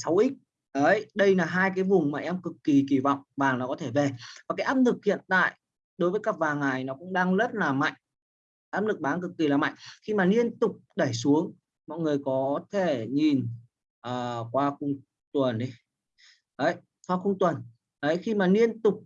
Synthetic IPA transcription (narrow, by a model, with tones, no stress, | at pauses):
sa˨˦wʔi˦˥k̚ | ʔə˨˦jɗə˧jlaː˨˩ɦaː˧jkaː˨˦jvʊ˨˩ŋ͡mmaː˨˩ʔɛ˧mkɨ˨˩kːi˨˩ki˧˩vɔ̰˧˨wŋ͡mvaː˨˩ŋlaː˨˩kɔ˨˦t̪ʰe˧˩ve˨˩vaː˨˩kaː˨˦ʔaː˦˥p̚lɨ˨˩k̚hḭ˧˨ənt̪a̰ː˧˨j | ɗo˨˦jvəː˨˦jkaː˦˥k̚vaː˨˩ŋːa˨˩jnɔ˨˦kʊ̰˧˥ŋ͡mɗaː˧ŋlə˦˥t̚laː˨˩ma̰˧˨jŋ̟ | ʔaː˦˥p̚lɨ˨˩k̚ɓaː˨˦nkɨ˨˩kːi˨˩laː˨˩ma̰˧˨ŋxi˧maː˨˩ni˧ənt̪ʊ˨˩k͡p̚ɗə˧˩jsu˨˦əŋ | mɔ̰˧˨jŋɨ˨˩əjkɔ˨˦t̪ʰe˧˩ɲi˨˩n | ʔəː˨˩kwaː˧xʊ˧ŋ͡m | t̪wə˨˩nʔi˨˦ | ʔə˨˦j | kwaː˧xʊ˧ŋ͡mt̪wə˨˩n | ʔə˨˦jxi˧maː˨˩ni˧ənt̪ʊ˨˩k͡p̚